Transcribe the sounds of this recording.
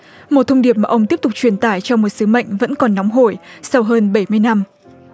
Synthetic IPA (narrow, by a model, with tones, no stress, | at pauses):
mo˨˩t̚t̪ʰə˧ŋ͡mɗi˨˩əp̚maː˨˩ʔə˧wŋ͡mt̪i˦˥əp̚t̪ʊ˨˩k͡p̚t͡ɕwi˧˩ənt̪aː˧˩jt͡ɕɔ˧wmo˨˩t̚sɨ˨˦mə̰˧˨jŋ̟və̰˧˥nkɔ˨˩nːɔ˨˦wŋ͡mɦo˧˩jsa˧wɦəː˧nɓə˧˩jmɨ˧əjna˧m